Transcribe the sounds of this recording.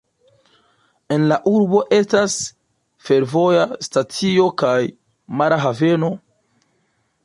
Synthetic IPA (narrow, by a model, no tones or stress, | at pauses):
e̞nlaʔuɾbo̞ʔe̞stas | fe̞ɾvo̞jastat͡sio̞kaj | maɾaɦave̞no̞